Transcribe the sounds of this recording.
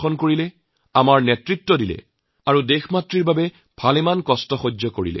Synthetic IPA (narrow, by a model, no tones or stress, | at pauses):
xɔnkoɹilɛ | amaɹnɛtɹitːɔdilɛ̰ | aɹudexmatɹiɹbabɛ | b̥ʱalɛmankɔstɔxod͡ʒɔkoɹḭlɛ̰